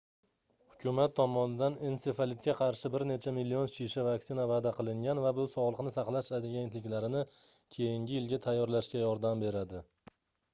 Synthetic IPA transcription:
hʊkʲʰʊmat̪ʰːɒmɒnɪd̪anense̞falit̪̚kʲaqʰɑɾʃɪbɪɾne̞t͡ʃʰamilːionʃiʃavaksɪnavad̪aqʰɨlˠɪŋɡʲanvabʊsɒʁlˠɨqnɪsɑqlˠaʃad̪ɪɡʲent̪lɪkʲlaɾɪnɪkʲʰe̞jɪŋɡʲɪjɪlɡʲat̪ʰajːɒɾlaʃkʲajɒɾd̪ambe̞ɾad̪ɪ

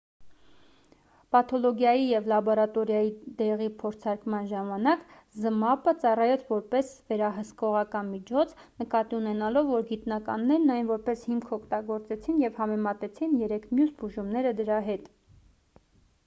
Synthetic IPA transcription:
pɑt̪ʰɔlɔɡjɑjijɛvlɑbɔɾɑt̪ɔɾjɑjid̪ɛʁipʰɔɾt͡sʰɑɾkmɑnʒɑmɑnɑk | zəmɑpət͡sɑrɑjɛt͡sʰvɔɾpɛsvɛɾɑɦəskɔʁɑkɑnmit͡ʃʰɔt͡sʰ | nəkɑt̪iunɛnɑlɔvːɔɾɡit̪nɑkɑnːɛɾnɑjnvɔɾpɛshimkʰɔkʰt̪ɑɡɔɾt͡sɛt͡sʰinjɛvhɑmɛmɑt̪ɛt͡sʰinjɛɾɛkʰmjusbuʒumnɛɾəd̪əɾɑɦɛt̪

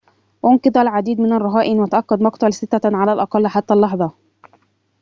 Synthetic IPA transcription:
ʔʊnkɨd̪ˤalʕad̪iːd̪mɪnarˤːɑɦaːʔɪnwat̪aʔɑkːad̪mɑqt̪ˤɑlsɪt̪ːaʕalaːlʔɑqɑlːħat̪ːalːɑħðˤɑ

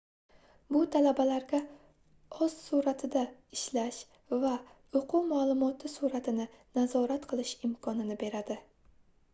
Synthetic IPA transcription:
bʊt̪ʰalabalaɾɡʲa | ɒz̥suɾat̪ʰɪd̪aɪʃlaʃ | va | ʊqʰumaːlˠʊmɒt̪ʰɪsuɾat̪ʰɪnɪnazɒɾat̪qʰɨlˠɪʃɪmkʰɒnɪnɪbe̞ɾad̪ɪ

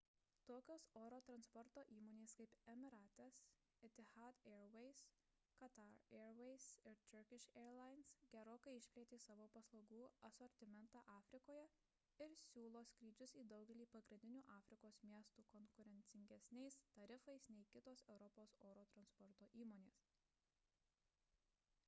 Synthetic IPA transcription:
t̪oːkʲoːsoːɾoːt̪ɾɐnspɔɾt̪oːʔiːmoːnʲeːskɐɪpɛmʲɪɾɑːt̪ʲɛs | ɛt̪ʲɪhɑːd̪eːɾʋɛɪs | kɐt̪ɑɾeːɾʋɛɪsɪɾt͡ʃ̪ʲʊɾkʲɪʃeːɾlˠɑɪnsɡʲɛɾoːkɐɪɪʃʲpʲlʲeːt̪ʲeːsɑːʋoːpɐslˠɐʊɡuːɐsɔːɾʲt̪ʲɪmʲɛnt̪ɑːʔɑːfʲɾʲɪkoːjɛ | ɪɾsʲuːlˠoːsʲkɾʲiːd͡ʒʲʊsiːd̪ɐʊɡʲɛlʲiːpɐɡɾʲɪnʲd̪ʲɪnʲuːʔɑːfʲɾʲɪkoːsmʲiɛst̪uːkɔŋkʊɾʲɛnʲt̪sʲɪŋʲɡʲɛsʲnʲɛɪst̪ɐɾʲɪfɐɪsnʲɛɪkʲɪt̪oːsɛʊɾɔpoːsoːɾoːt̪ɾɐnspɔɾt̪oːʔiːmoːnʲeːs

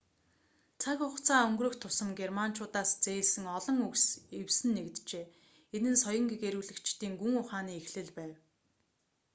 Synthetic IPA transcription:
t͡sʰakʊχt͡sʰaːɵŋɡrɵ̆xt̪ʰːʊsə̆mɡerman̥t͡ɕʰʊːt̪aːst͡seːɮsɘ̆ŋɔɮɞ̆ŋuksewsɘ̆nːekt̪t͡ɕeː | enɘ̆nsɔjɞ̆ŋɡeɣeɾuːɮɘ̆kt͡ɕt̪iːŋɡuŋʊχaːniːexɮɘ̆ɮpæːw

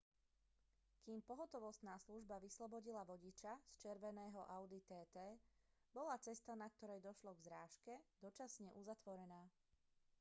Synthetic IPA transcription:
kiːmpɔɦɔt̪ɔʋɔst̪naːsluʒbaʋislɔbɔɟilaʋɔɟit͡ʃast͡ʃɛɾʋɛnɛːɦɔʔaʊd̪it̪ɛːt̪ɛːbɔlat͡sɛst̪anak̚t̪ɔɾɛjd̪ɔʃlɔɡzɾaːʃkɛd̪ɔt͡ʃasɲɛʔuzat̪ʋɔɾɛnaː

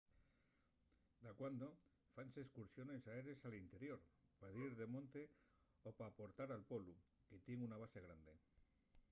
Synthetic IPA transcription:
d̪akwand̪o̞ | fanseskuɾsjo̞nesaeɾe̞salint̪e̞ɾjo̞ɾpaðiɾðemõ̞nt̪e | opaːpo̞ɾt̪aɾalpo̞lu | ket̪jeŋunaβ̞ase̞ɣ̞ɾand̪e̞

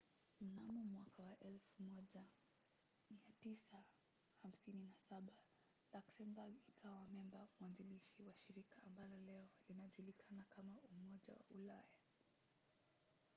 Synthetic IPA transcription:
m̩namɔmwakawaʔɛlfumɔʄa | miatisa | ham̩sininasaɓa | laksɛmbaɡikʰawamɛmbamwanziliʃiwaʃiɾikaːmbalɔlɛɔlinaʄulikʰanakamaumɔʄa̰wa̰ulaja

